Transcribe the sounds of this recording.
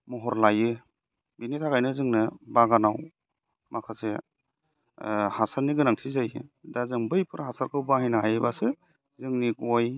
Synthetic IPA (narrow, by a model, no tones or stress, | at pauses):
mɔɦɔɾlajɯ | binitʰaɡajnɯzɯŋnɯbaɡanaw | makʰase | hasaɾniɡɯnaŋtʰizajɯ̰dazɯŋbɯjpʰɯɾɦasaɾkʰɯwbaɦajnaɦajɯbasɯ | zɯŋnikɔj